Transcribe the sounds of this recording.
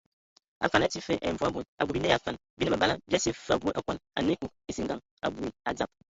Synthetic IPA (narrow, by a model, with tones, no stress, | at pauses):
a̰˨fa˨n˨a˨˦ti˦fe˦ʔḛ˦ɱ̩˦vu˨˦a˨bu˨na˨ɡu˨bi˨ne˦a˨fa˨n˨bi˦ne˦˨a˨ba˦a˦bi˦a˦se˨fa̰˨bʷu˨˦ʔa̰˨kʷa˦na̰˨ne˦ku˨k̚e˦si˦ŋ˦ɡa˨ | a̰˨bu˦i˨a̰˨d͡za˨p̚